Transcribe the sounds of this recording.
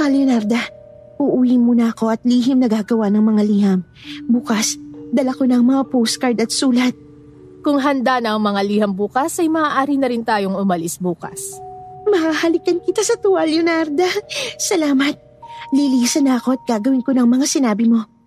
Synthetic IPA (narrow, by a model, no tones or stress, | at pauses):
t̪ɐljonaɾd̪ɐ | ʔʊʔʊwimonɐʔɐko̞ʔɐt̪̚liːɦɪmnɐɡaːɡɐwanɐŋmɐŋaliːhɐm | buːkɐsd̪ɐlɐko̞nɐŋmɐŋapowskɐɾd̪ɐt̪̚suːlɐt̪̚ | kʊŋɦɐnd̪anɐʔɐŋmɐŋaliːhɐmbuːkɐsɐjmɐʔaːʔaːɾinɐɾɪnt̪aːjoŋʊmɐlɪsbuːkɐ̰smɐhaːhɐlɪkɐnkɪt̪asɐt̪uɐljonaɾd̪ɐsɐlaːmɐt̪̚ | liliːsɐnɐʔɐko̞ɐt̪̚ɡ̥aːɡɐwɪnko̞nɐŋmɐŋasɪnaːbɪmo̞